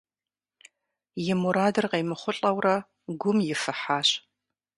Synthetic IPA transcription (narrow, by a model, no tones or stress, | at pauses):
jɪmuɾaːdɨrqejmɨχʷʊɬʼɐwrɐ | ɡʷʊmjɪfɨħaːɕ